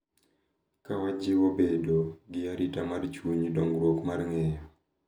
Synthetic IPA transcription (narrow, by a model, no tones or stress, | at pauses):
kawad͡ʒɪwobedoɡɪaɾitamart͡ʃuɲidɔŋɡɾwokmarŋɛjɔ